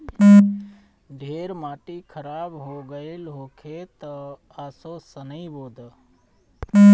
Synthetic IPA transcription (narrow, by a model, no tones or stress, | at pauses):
ɖʱeːɾmaːʈikʰəɾaːbɦoɡəɪlɦoːkʰet̪ə | aːsoːsənəiboːd̪ə